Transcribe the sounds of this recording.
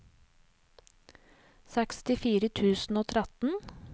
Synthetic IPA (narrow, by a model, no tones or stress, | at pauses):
sɛkst̪ɪfiːɾət̪ʰʉːsn̩oːt̪ʰɾɛt̪n̩